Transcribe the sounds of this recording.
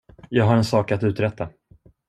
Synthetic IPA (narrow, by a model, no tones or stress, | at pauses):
jɑːɡɦaɾɛnsɑːkat̪ʉ̟ːt̪ɾɛt̪ʰːa